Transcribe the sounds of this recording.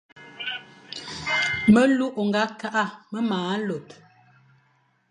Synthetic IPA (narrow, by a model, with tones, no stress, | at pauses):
mə˦lu˦ʔo˨ŋɡa˨˦ka˦ʔa˦˨mə˦maː˨˦lo˨t